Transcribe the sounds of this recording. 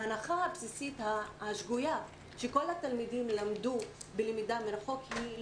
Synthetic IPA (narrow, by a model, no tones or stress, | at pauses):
anaχahapsisit̪haaʃɡuja | ʃeko̞lat̪almid̪imlamd̪ubelemid̪ameɾaχo̞khi